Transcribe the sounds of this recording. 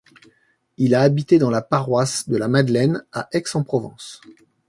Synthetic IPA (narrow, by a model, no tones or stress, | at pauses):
ilaːbit̪ed̪ɑ̃lapaʁwasd̪əlamad̪lɛnaʔɛksɑ̃pχɔvɑ̰̃s